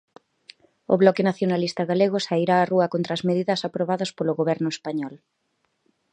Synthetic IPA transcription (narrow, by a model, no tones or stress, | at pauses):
ʊ̰βlɔkɪnaθjonalist̪ɐɣaleɣʊsaiɾaːruɐkont̪ɾɐːzmeðiðɐsapɾoβaðɐspolʊɣoβɛɾnʊespaɲɔl